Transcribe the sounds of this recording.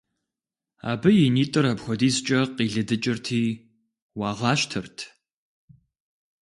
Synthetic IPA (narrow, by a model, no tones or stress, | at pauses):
a̰ːbɨjɪniːtʼɨɾɐpxʷɔdiːst͡ʃʼɐqiːɮɨdɨt͡ʃʼɪrtʰiː | wɑːʁɑːʃtʰɨrtʰ